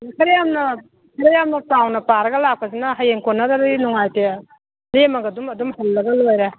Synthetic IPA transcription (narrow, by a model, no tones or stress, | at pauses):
kʰɐɾejamnɐ | kʰɐɾejamnɐtawnɐpaɾɐɡɐlak̚pɐzinaɦajeŋkonːaɾaɾɯinuŋajte | lemɐɡɐdumɐdumhɐlːɐɡɐlojɾa